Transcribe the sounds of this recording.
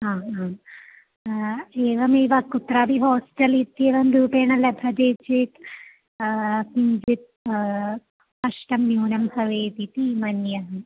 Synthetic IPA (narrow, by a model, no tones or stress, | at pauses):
ɦãːɦaːm | eːʋɐmeːʋakut̪ɾaːbʱiɦɔːsʈɐlit̪ːieːʋɐmd̪uːpeːɳ̃ɐlɐbʱɐd̪eːt͡ʃit̪ | pind͡ʒit̪̚ | kɐʃʈɐmnjuːnɐmsɐʋeːt̪it̪iːmɐnjɐɦɐ